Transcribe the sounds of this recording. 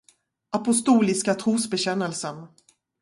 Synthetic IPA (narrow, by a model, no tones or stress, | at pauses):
ʔapʊst̪uːlɪskat̪ʰɾuːsbɛɕɛnːəlsən